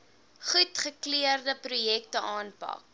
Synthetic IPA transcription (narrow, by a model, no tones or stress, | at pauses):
χutχəkliərdəpɾujɛk̚təʔɑːnpɐ̰k